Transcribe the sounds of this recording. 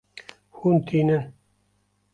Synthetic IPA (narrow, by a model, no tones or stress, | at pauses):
hunt̪ʰiːnɨn